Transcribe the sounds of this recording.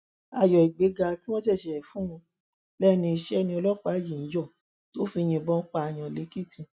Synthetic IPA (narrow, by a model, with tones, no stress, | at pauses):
a˧˨jɔ˨i˨ɡ͡be˨˦ɡa˧tĩ˦wɔ̃˦d͡ʒɛ˦˨ʃɛ˨ɛ˨fũ˨˦wɔ̃˧ | lɛ˦nĩ˧i˧ʃɛ˦nĩ˧ɔ˧lɔ˦˨k͡pa˨˦jĩ˨n̩˨˦jɔ˦˨ | to˦fi˧j̃ĩ˧˨bɔ̃˦k͡pa˧˨j̃ã˨le˨˦ki˦˨tʰĩ˧